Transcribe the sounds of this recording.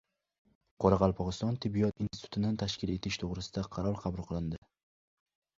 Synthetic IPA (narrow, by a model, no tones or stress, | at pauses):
qʰɒɾɑʁɑlˠpʰɒʁɨst̪ɒnt̪ʰɪbːijɒt̪insɪ̥t̪ʰʊ̥t̪ʰɪd̪ant̪ʰaʃkʲɪle̞t̪ʰɪʃt̪ʰoʁɾɪsɪd̪aqʰɑɾɒlˠqʰɑbulˠqɨlˠɪnd̪ɪ